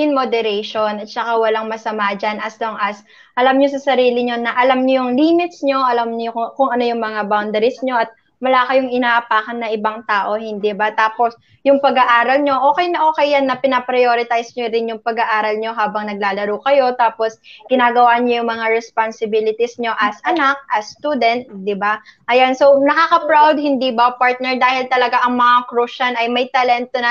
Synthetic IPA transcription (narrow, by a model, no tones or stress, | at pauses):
ɪnmod̪ɛɾɛjʃonɐt̪̚t͡ʃɐkawɐlaŋmɐsɐmad͡ʒanʔɐsloŋʔɐs | ʔɐlamɲosɐsɐɾiːlɪɲo̞nɐʔɐlamɲojʊŋliːmɪt̪sɲo̞ʔɐlamɲojkʊŋʔɐno̞jʊŋmɐŋabawnd̪ɐɾɪsɲo̞ʔɐt̪̚ | mɐlaːkɐjʊŋʔɪnaːʔɐpaːkɐnːɐʔɪbaŋt̪aːʔo̞hɪnd̪ɛbat̪aːpos | jʊŋpɐɡɐʔaːɾɐlɲo̞ʔo̞ːkɛjnɐʔo̞ːkɛjːanːɐpɪnɐpɾɐjoːɾɪt̪ajsɲoɾɪnjʊŋpɐɡɐʔaːɾɐlɲo̞ɦaːbɐŋnɐɡ̚laːlɐɾuːkɐjo̞t̪aːpo̞sɡ̥ɪnaːɡɐwaɲojʊŋmɐŋaɹɛsponsɪbilɪt̪isɲo̞ʔɐsʔɐnak̚ʔɐst̪uːd̪ɛnt̪̚d̪ɪbaʔɐjanso̞nɐkaːkɐpɹawd̪̚hɪnd̪ibɐpaɹt̪̚nɛɹd̪aːhɪlt̪ɐlɐɡaʔɐŋmɐŋakɾuʃɐnɐjmɐjt̪ɐlɛnt̪onɐ